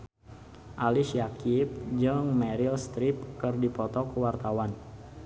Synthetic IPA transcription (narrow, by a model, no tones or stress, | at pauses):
ʔalisjakip̚d͡ʒəŋmɛɾilst̪ɾɪp̚kɨrdipɔt̪ɔkəwart̪awan